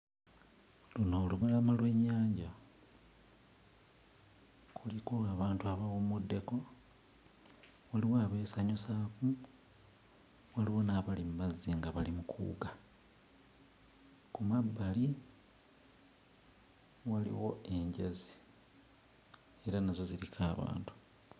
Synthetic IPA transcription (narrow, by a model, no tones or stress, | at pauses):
lunoluβulamalwe̞ːɲːaːɲɟa | kʰulikoaβaːntuaβawomude̞ko̞ | waliwaːβe̞ːsaɲusaku | waliwo̞naβalimumaziŋɡaβalimukʰṵːɡa | kumabːali | walḭwo̞e̞ɲɟazi | e̞ɾanazo̞zilikʰaːβa̰ːntu̥